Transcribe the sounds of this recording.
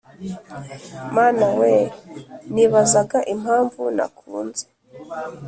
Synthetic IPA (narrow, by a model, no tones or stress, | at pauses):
maːnawe | niβazaɡaʔim̥haːɱvuna̰kʰuːnze